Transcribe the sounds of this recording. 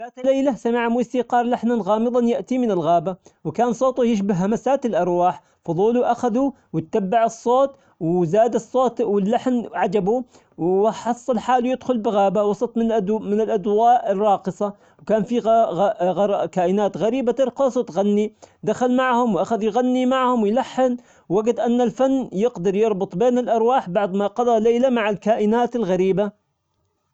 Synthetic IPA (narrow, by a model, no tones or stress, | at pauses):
laːt̪lajlasamaʕmuɪsiːqɑːɾˤlaħnanɣɑːmɨðˤɑnjaʔt̪imɪnɪlɣaːbawkaːnsˤoːt̪ˤujɪʃ̬bɪɦːamasaːt̪ɪlʔɑɾˤwaːħ | fʊðˤuːluʔaxaðu | wɪt̪ːabːaʕɨsˤːoːt̪ | wzaːd̪ɨsˤːoːt̪wɪlːaħnʕad͡ʒabu | wħɑsˤːɑlħaːlujɪd̪xʊlbɪɣaːbawɑsˤɑt̪ˤmɪmɪnɪlʔad̪waːʔɪrˤːɑːqɨsˤɑ | wkaːnfiɣɣɾkaːʔɪnaːt̪ɣaɾiːbat̪ɪɾqɑsˤwt̪ɣanːid̪axalmaʕhʊmwʔaxaðjɣanːimaʕhʊmwjlaħːɪn | wwaɡad̪ʔanːalfanːjɪqd̪ɑɾˤjɑɾˤbʊt̪ˤbeːnɪlʔɑɾˤwaːħbɑʕd̪maqɑd̪ˤɑleːlamaʕalkaːʔɪnaːt̪ɪlɣaɾiːba